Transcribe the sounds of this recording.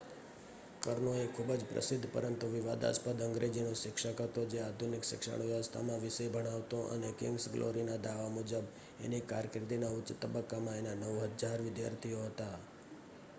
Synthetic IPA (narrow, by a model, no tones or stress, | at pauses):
kəɾnoekʰubd͡ʒpɾə̰sɪd̪ʱːpə̰ɾənt̪uʋɪʋad̪a̰spəd̪əŋɡɾed͡ʒinoʃɪkʃəkɦət̪od͡ʒead̪ʱunɪkʃɪkʃə̰ɽ̃jast̪ʰa̰mãʋɪsəjbʱəɽ̃aʋt̪oʔə̰nekɪ̰̃ŋɡsɡlʔo̰ɾinad̪aʋamʊd͡ʒəb | ḛnikaɾkɾɪd̪inaʊtːt͡ʃːt̪əbəkːamãenanəʋɦəd͡ʒaɾʋɪd̪ja̰ɾt̪ʰioɦət̪a